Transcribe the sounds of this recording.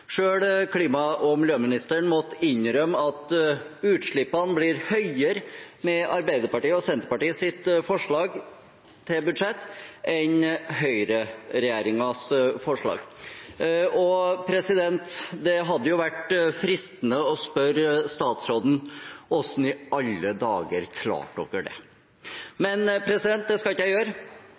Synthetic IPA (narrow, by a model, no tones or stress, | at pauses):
ʂøːɽkʰliːmɑɔmɪljøːmɪnɪst̪əɳmɔt̪ɪɲɾœmːɑt̪ | ʉːt̪ʂɭɪpːɑnblɪɾhœʏəɾmɛɑɾbæɪd̪əɾpɑʈiːəɔsɛnt̪əɾpɑʈiːəsɪt̪fɔʂɭɑːɡ | t̪ʰɪlbʉd̪ʂɛt̪ːɛnɦœʏɾəɾɛjæːɾɪŋɑsfɔʂɭɑ̰ːɡ | ɔpʰɾɛsɪd̪ɛnt̪d̪ɛɦɑd̪ːəjʊʋæʈfɾɪst̪ənəɔspœɾst̪ɑːt̪sɾoːd̪n̩ɔsn̩ɪʔɑlːəd̪ɑːɡəɾkʰlɑ̰ːʈɔ̰kəɖɛ̰ | mɛnpʰɾɛsɪd̪ɛnt̪̚d̪ɛskɑlɪkəjæɪjøːɾə